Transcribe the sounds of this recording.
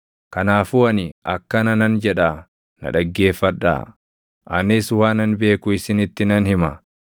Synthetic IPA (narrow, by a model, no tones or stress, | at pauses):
kɐnaːfʊɐnɪʔɐkːɐnɐnɐnd͡ʒɛᶑaː | nɐ̰ᶑɐɡːe̞ːfːɐᶑa̰ː | ʔɐnɪsʊwaːnɐnbe̞ːkʊɪsɪnɪt̪ːɪnɐnhɪmɐ